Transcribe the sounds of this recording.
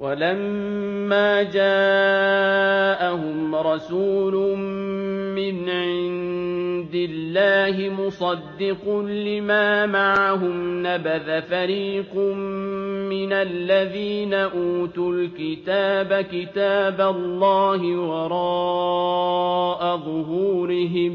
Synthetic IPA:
wʔalamː | aːd͡ʒaː | ʔahʊmɾˤɑsuːlʊ | mɪnʕɪnnd̪ɪlːaːɦɪmʊsˤɑd̪ːɪqʊlɪmaːmaʕaɦʊmnabaðafaɾiːqmmɪnalːaðiːnaʔuːt̪ulkɪt̪aːbakɪt̪aːbalˤːɑːhɪwɑɾˤɑː | ʔaðˤʊɦuːɾɪɦɪm

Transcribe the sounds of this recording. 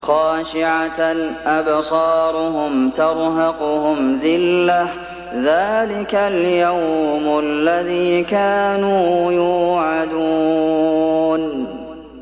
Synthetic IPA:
xɑːʃɪʕaʔabsˤɑːɾˤʊɦʊmt̪ɑɾˤɦɑqʊhʊmðɪlːa | ðaːlɪkaljawmʊalːaðiːkaːnuːjuːʕad̪uː | n

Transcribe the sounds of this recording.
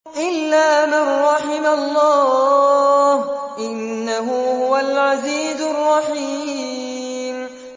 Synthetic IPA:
ʔɪlːaːmanːɑħɪmalˤːɑː | hʔɪnːaɦʊhʊwalʕaziːzʊrˤːɑħi | m

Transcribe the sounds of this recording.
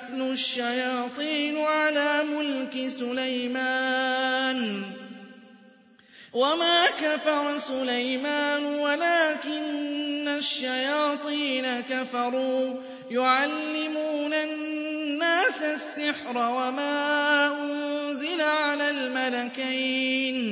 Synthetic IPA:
θlʊʃːajɑːt̪ˤiːnʕalaːmʊlkɪsʊlajmaːn | wamaːkafɑɾˤɑsʊlajmaːnwalaːkɪnːaʃːajɑːt̪ˤiːnakafɑɾˤuː | jʊʕalːɪmuːnanːaːsasːɪħɾˤɑwamaːʔʊnzɪlaʕalaːlmalakiːn

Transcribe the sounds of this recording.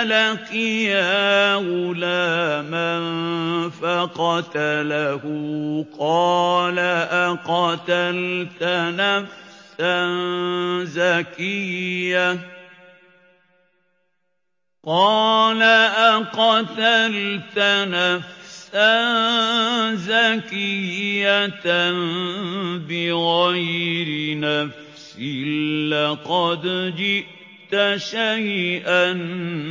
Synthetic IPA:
lakɪjawʊlaːmanfaqɑt̪alahʊqɑːlaʔaqɑt̪alt̪anafsan | zakɪjːa | qɑːlaʔaqɑt̪alt̪anafsa | zakɪjat̪an | bɪɣajɾɪnaf | sɪːɑqɑd̪d͡ʒɪʔ | t̪aʃajʔan

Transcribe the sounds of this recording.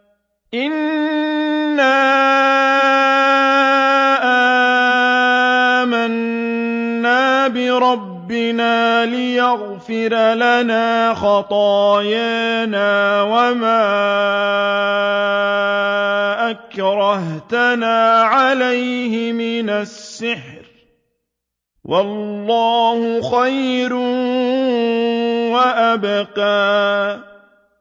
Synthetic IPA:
ʔɪn | aːa | ʔa | manː | aːbɪɾˤɑbːɪnaːlɪjaɣ | fɪɾlanaːxɑt̪ˤɑːjaːnaːwamaː | ʔakɾˤɑɦt̪anaːʕalajhɪmɪnasːɪħɾ | wʔɑllːɑːhʊxajɾ | waʔabqaː

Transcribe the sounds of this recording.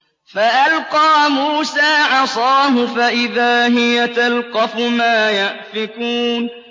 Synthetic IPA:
faʔalqɑːmuːsaːʕɑsˤɑːɦʊfaʔɪðaːɦɪjat̪alqɑfʊmaːjaʔfɪkuːn

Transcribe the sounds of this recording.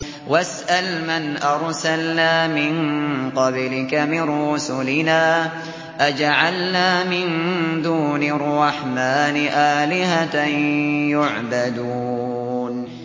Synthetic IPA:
wasʔalmanʔɑɾˤsalnaːmɪnqɑblɪkamɪnɾʊsʊlɪnaː | ʔad͡ʒaʕalnaːmɪnd̪uːnɪrˤːɑħmaːnɪʔaːlɪɦat̪ajʊʕbad̪u | n

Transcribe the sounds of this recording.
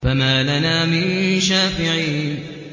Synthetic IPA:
famaːlanaːmɪnʃaːfɪʕiːn

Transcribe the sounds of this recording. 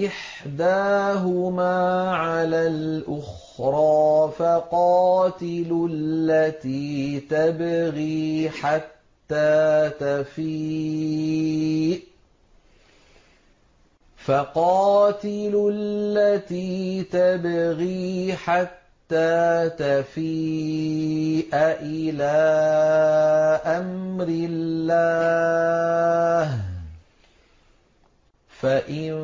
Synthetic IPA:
ʔɪħ | d̪aːɦʊmaːʕalaːlʔʊx | ɾˤɑːfaqɑːt̪ɪlllːat̪iːt̪abaɣiːħat̪ːaːt̪afi | faqɑːt̪ɪllːat̪iːt̪abaɣiːħat̪ːaːt̪afiː | ʔaʔɪlaː | ʔamɾɪlːa | h | faʔɪn

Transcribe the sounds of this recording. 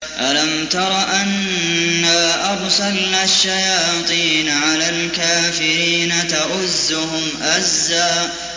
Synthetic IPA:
ʔalamt̪ɑɾˤɑʔanː | aːʔɑbsɑlnaːʃːajɑːt̪ˤiːnʕalaːlkaːfɪɾiːnat̪aʔʊzːʊhʊmʔazːaːʔ

